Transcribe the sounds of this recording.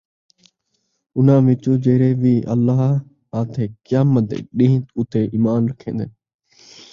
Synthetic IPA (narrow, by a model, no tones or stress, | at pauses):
ʊn̤ãːʋɪt͡ʃoːd͡ʒeːɾeːʋiːʔəlːaːɦ | ãːt̪ʰeːkjaːmət̪ḛɗĩːt̪ʊt̪eːʔiːmaːnɾəkʰḛ̃ːnd̪eː